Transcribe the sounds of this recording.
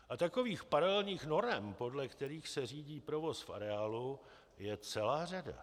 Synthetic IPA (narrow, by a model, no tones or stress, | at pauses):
ʔat̪ako̞viːxpaɾalɛlɲiːxno̞ɾɛmpo̞dlɛkt̪ɛɾiːxsɛriːɟiːpɾo̞vo̞sfʔa̰ɾɛaːlu | jɛt͡sɛlaːrada̰